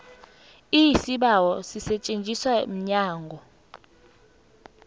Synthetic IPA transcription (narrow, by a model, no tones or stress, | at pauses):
isiɓawɔsisɛt͡ʃʼent͡ʃʼiswam̩ɲaːŋɡʱɔ